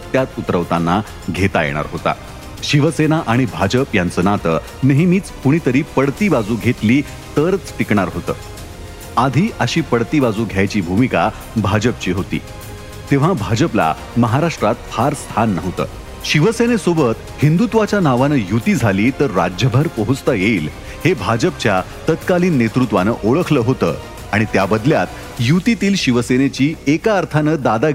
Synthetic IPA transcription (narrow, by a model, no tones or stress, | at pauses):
t̪jat̪ut̪ɾəʋt̪anːa | ɡʱet̪ajḛɽ̃a̰ɾɦot̪a̰ | ɕiʋəsenaʔaɽ̃ibʱad͡ʑəpjant͡sənat̪ə̰ | nəɦimiːt͡spuɽ̃iːt̪əɾiːpəɽt̪iːbad͡zuːɡʱet̪liː | t̪əɾət͡sʈikɳ̃aɾɦot̪ə̰ː | ad̪ʱiːʔəɕiːpəɽt̪iːbad͡zuːɡʱjajt͡ɕiːbʱumika̰ | bʱad͡ʑəp̚t͡ɕiːɦot̪ḭː | t̪eʋ̤abʱad͡ʑəpla̰ | məɦaɾaʂʈɾat̪̚fʰaɾst̪ʰanːəʋt̪ə̰ː | ɕiʋəsenesobət̪ | hind̪ut̪ʋat͡ɕjanaʋanəːjut̪iːd͡zʱaliːt̪əɾːa̰d͡ʑjəbʱəɾpəɦut͡st̪əjeiːl | hebʱad͡ʑəp̚t͡ɕja | t̪ət̪kaliːnːet̪ɾut̪ʋanə̰ːʔoɭəkʰləːɦot̪ə̰ː | aɽ̃it̪jabəd̪ljat̪ | jut̪it̪iːlɕiʋəsenet͡ɕiːekaəɾt̪ʰanəːd̪ad̪a